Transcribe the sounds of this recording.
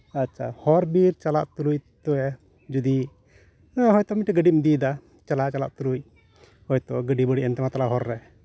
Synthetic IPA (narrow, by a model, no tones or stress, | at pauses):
atːt͡ʃʰahɔɾbiɾt͡ʃalaʔt̪uluc̚t̪ɔɛ | d͡ʒud̪i | ɦɔjt̪ɔmiʈɛɡəɖimid̪id̪a | t͡ʃalaʔt͡ʃala̰ʔt̪uɾuc̚ | hɔjt̪ɔɡəɖibəɽiʔɛnt̪ɛmat̪alaɦɔɾːɛ